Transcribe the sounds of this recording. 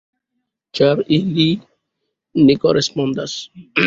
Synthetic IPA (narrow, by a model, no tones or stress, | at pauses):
t͡ʃaɾili | nikorespond̪as